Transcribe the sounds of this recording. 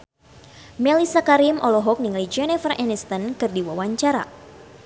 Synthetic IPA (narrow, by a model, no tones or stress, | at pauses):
mɛlisakaɾimʔɔlɔɦɔk̚niŋlid͡ʒɛnɛfərʔɛnist̪ənkɨrdiwawaɲt͡ʃaɾa̰